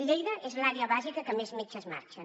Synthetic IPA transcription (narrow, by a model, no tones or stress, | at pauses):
əʎejðəʔezlaɾeəβazikəkəmezmet͡ʃəzma̰ɾt͡ʃən